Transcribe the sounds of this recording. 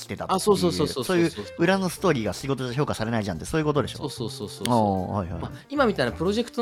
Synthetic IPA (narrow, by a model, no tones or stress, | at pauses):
kʲi̥t̪e̞t̪a̰tasoːsoːo̰ːoso̞ːjjɯ̟ːɯ̟ɾano̞sɨ̥t̪o̞ːɾʲiːɡaɕɨ̥iɡo̞t̪o̞ʑaço̞ːkasaɾe̞naiʑã̰nt̪eso̞ːjɯ̟kot̪o̞d̪e̞ɕo̰osoːsoːsoãhaiha̰ia | imamʲit̪ainapɯ̟ɾo̞ʑe̞kɯ̥t̪o